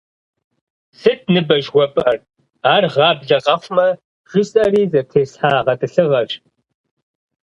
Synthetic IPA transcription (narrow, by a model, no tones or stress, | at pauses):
sɨt̚ʰnɨbɐʒwʷɔpʼɐr | aːrʁɑːbɮɐqʼɐfʷmɐ | ʒ̥ɪsʼɐriːzɐtʰeːsħaːʁɐtʼɨɬɨʁɐɕʼ